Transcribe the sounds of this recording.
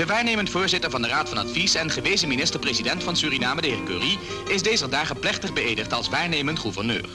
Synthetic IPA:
d̥əʋaːɹnejməntfʊːɹzɪtəɹvɑndəraːtfɑnɑ̰tfisɛnχəʋejzəminɪstəɹprezidɛntfɑnsyːrinaːmədəɦɪːɹkø̰ːri | ɪzdejzərdaːχəplɛχtəχbəeːdəχtɑlˠsʋaːɹneːjməntχuvərnø̰ːr

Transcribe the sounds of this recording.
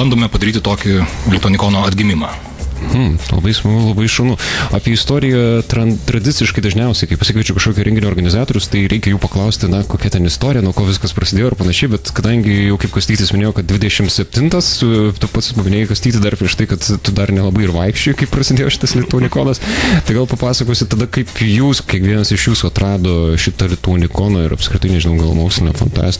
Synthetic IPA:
bɐnd̪oːmʲɛpɐd̪ɐɾʲiːt̪ʲɪt̪oːkʲɪlʲɪt̪oːnʲɪkoːnoːɐd̪ʲɡʲɪmʲɪmɑː | mm̩lˠɐ̰bɐɪsmɐɡʊlˠɐbɐɪʃɐːnʊɑːpʲiɛɪst̪oːɾʲɪjɛt̪ɾɐnt̪ɾɐd̪ʲɪtt͡ssʲɪʃkɐɪd̪ɐʒʲnʲɛʊsʲɛɪkɐɪpɐsʲɪkɐɪt͡ʃʲʊkɐʃkoːkʲuɛ̃ŋɡʲɪnʲʊoːrɡɐnʲɪzɑːt̪oːɾʲʊst̪ɐɪɾʲɛɪkʲɛjuːpɐklˠɐʊsʲt̪ʲɪnɐkoːkʲɛt̪ʲɛnɪst̪oːɾʲɪjɛnoːkoːʋʲɪskɐspɾɐsʲɪd̪ʲeːjoːɪrpɐnɐʃʲɛɪbʲɛt̪kɐd̪ɐŋʲɡʲɪjɛʊkɐɪpkɐsʲt̪ʲiːt̪ʲɪsmɪnʲeːjoːkɐt̚d̪ʲʋʲɪd̪ʲɛʃʲɪmtsʲɛpʲt̪ʲɪnt̪ɐst̪ʊpɐt̪sʲɪspɐmʲɪnʲeːjɪkɐsʲt̪ʲiːt̪ʲɪd̪ɐrpʲɾʲiɛʃt̪ɐɪkɐt̪t̪ʊd̪ɐrnʲɛlˠɐbɐɪɪrʋɐɪkʃʲt͡ʃʲoɪkɐɪpprɐsʲɪd̪ʲeːjoːʃɪ̥t̪ɐslʲɪt̪uɔnʲɪkoːnɐst̪ɐɪɡɐlˠpɐpɑːsɐkoːsʲɪt̪ɐd̪ɐkɐɪpjuːskʲiɛkʋʲiɛnɐsɪʃjuːsuɐt̪ɾrɑːd̪oːʃʲɪt̪ɐlʲɪt̪uːnʲɪkoːnɐːɪɾɐ̰pskɾʲɪt̪ɐɪnʲɛʒʲɪnɐʊɡɐlˠmoːksʲlʲɪnʲɛ̰fɐ̰nt̪ɑ̰ːsʲt̪ʲ

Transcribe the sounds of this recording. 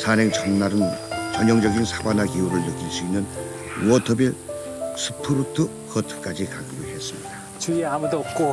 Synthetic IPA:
sʰanɦeŋt͡ɕʰʌnːaɾɯnt͡ɕʌɲʌŋd͡ʑʌɡinsʰḁbanakiuɾɯɭnɯk͈iɭs͈uinːɯn | wʌtʰʌbe | sʰɯ̥pʰuɾutʰɯ | kʌtʰɯ̥p̚k͈ad͡ʑikaɡuɾɯhes͈ɯmɲiida | t͡ɕuamud̪op̚k͈o

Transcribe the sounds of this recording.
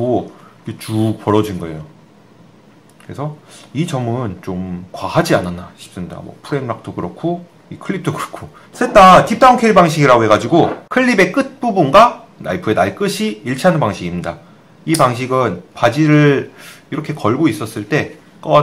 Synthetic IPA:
oket͡ɕupʌɾʌd͡ʑinɡʌe̞̰jo | kɯɾe̞sʰʌit͡ɕʌmɯnt͡ɕomkwahad͡ʑiananːaɕʰi̥p̚s͈ɯmɲida̰mwʌ̰pʰuɾemmak̚t͈ʰokɯɾʌkʰo | ikʰɯɭːip̚tʰokɯɾʌkʰo | s͈et͈atip̚t͈aoŋkʰeɭbaŋɕ̬ʰiɡiɾaɡoɦe̞ɡad͡ʑiɡokʰɯʎːibe̞k͈ɯt̚p͈ubunɡa | na̰ipʰɯe̞naɭk͈ɯɕʰiiɭt͡ɕʰiɦanɯnpaŋɕʰiɡimɲida | ipaŋɕ̬ʰiɡɯnpad͡ʑiɾɯiɾʌkʰe̞kʌɭɡois͈ʌs͈ɯɭt͈e̞ | k͈ʌ

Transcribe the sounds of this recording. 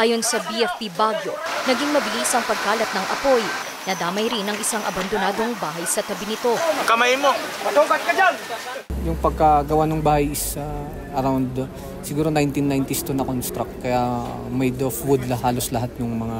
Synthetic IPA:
ʔaːjo̞nsɐbiʔɛfpibaɡjo̞nɐɡiŋmɐbɪlisɐŋpɐɡ̚kaːlɐt̪̚nɐŋʔɐpo̞j | nɐd̪aːmɐjɾinɐŋɪsaŋʔɐbɐnd̪onaːd̪o̞ŋbaːɦɐjsɐt̪ɐbɪnɪt̪o̞kɐmajmo | ɐt̪ubɐskɐd͡ʒan | jʊŋpɐɡ̚kɐɡɐwanʊŋbaːhɐjɪsɐ | ɐɾawnd̪ | sɪɡuːɾo̞najnt̪inːajnt̪ɪst̪unɐkonst̪ɾɐk̚t̪̚kɐja | mɛjd̪ofwud̪lɐhaːloslɐɦat̪̚jʊŋmɐŋa

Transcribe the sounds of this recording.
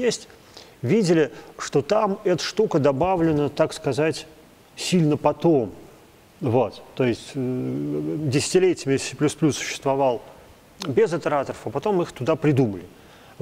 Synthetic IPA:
jesʲtʲ | vʲidʲɪlʲɪʂt̪o̞t̪amɛt̪ə̥ʂt̪ukəd̪ɐbavlʲɪnət̪akskɐzatʲ | sʲilʲnəpɐt̪o̞m | vo̞t̪ːo̞jɪsʲtʲ | dʲɪsʲɪ̥tʲɪlʲetʲɪɪmʲɪesʲplʲusplʲusːʊ̥ɕːɪ̥st̪vɐvalˠ | bʲɪzɐt̪ʲəɾat̪əɾəfɐpɐt̪o̞mɨxt̪ʊd̪apɾʲɪd̪uməlʲɪ

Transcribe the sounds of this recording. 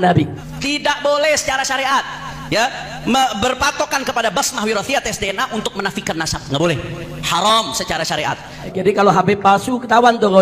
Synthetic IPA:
nabi | t̪idaʔ̚bolɛhsə̥t͡ʃaɾaʃaɾeʔat̪̚ | ja | məbərpat̪okankəpadabasmaɦwiɾɔθiat̪ɛsdeɛnaʔunt̪ʊk̚mənafikannːasap̚ŋɡaʔbolɛhhaɾɔmsət͡ʃaɾaʃaɾeʔa̰t̪̚ | d͡ʒadikaloɦapepasukət̪awant̪oŋɔ

